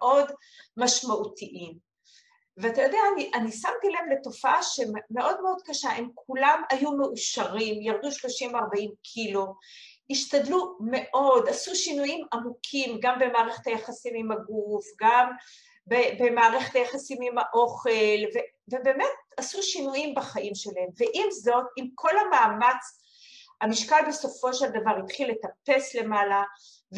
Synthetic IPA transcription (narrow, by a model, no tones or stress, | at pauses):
eʔo̞d | maʃmautiʔim | veatajo̞deaːniʔanisamɡilemle̞to̞faaʃe̞mmeʔo̞d̪me̞o̞d̪kaʃahemkʰulamajume̞ʔuʃaʁimjaʁd̪uʃlo̞ʃimvaʁbaimkʰilo | iʃtadlume̞ʔo̞dasuʃinujimamukʰimɡambe̞maːʁeχet̪hajaχasimimaɡufɡam | bebe̞maːʁeχet̪ajaχasimimhaʔo̞χe̞lve | vebe̞ːme̞t̚asuʃinujimbaχaʔimʃe̞laemve̞ʔimzo̞timkʰo̞lamaːmat͡s | hamiʃkalbe̞so̞fo̞ʃe̞ld̪avaʁit̪χilːe̞t̪ape̞sle̞mala | v